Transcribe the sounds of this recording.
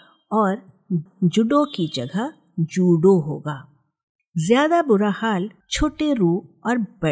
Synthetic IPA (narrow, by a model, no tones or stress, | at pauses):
ɔːɾ | d͡ʒʊɖõkid͡ʒɐɡʱə | d͡ʒuːɖoɦo̰ːɡaː | zjaːd̪abʊɾahaːl | t͡ʃʰoːʈeɾuːɔːɾbɛ